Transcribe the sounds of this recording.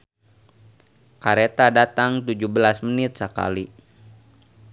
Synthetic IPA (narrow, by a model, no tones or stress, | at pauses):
kaɾet̪adat̪aŋt̪ud͡ʒuhbəlasmənɪt̪̚səka̰li